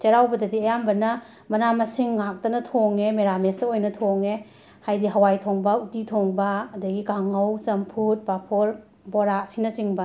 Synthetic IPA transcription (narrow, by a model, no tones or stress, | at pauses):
t͡ʃɐɾawbɐdɐdiɐjambɐnɐ | mɐnamɐsiŋːak̚tɐnɐtʰoŋemeɾamestɐojnɐtʰoŋe | hajdiɦɐwajtʰoŋbɐutitʰoŋbɐːdɐɡikaŋɐwt͡ʃɐmpʰut̚bapʰoɾ | boɾasinɐt͡ʃiŋbɐ